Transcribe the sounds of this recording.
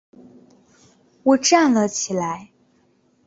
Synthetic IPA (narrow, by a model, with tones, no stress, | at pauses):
wɔ˨˩ʈ͡ʂa˥˩nlə˨t͡ɕʰi˨˩la˧˥ɪ